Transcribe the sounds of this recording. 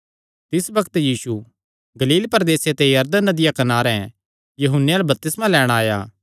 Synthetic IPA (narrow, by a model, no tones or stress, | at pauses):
t̪ɪsbɐkt̪jiːsu | ɡɐliːlpɐɾd̪eːset̪ejɐɾd̪ənːɐd̪ɪjakɐnaːɾɛ̃ | jɐɦʊnːejalabɐp̚t̪ɪsmãlɛːɽ̃aːja̰ː